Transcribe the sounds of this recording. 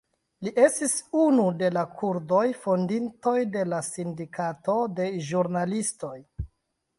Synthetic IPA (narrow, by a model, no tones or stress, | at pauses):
liʔe̞stisunude̞lakʰuɾdo̞jfo̞ndinto̞jde̞lasindikato̞de̞ʒuɾnalisto̞j